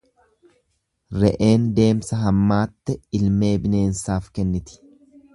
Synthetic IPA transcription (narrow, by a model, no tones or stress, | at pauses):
ɾɛʔe̞ːnd̪e̞ːmsɐɦɐmːaːt̪ːɛɪlme̞ːbɪne̞ːnsaːfkɛnːɪt̪ɪ̥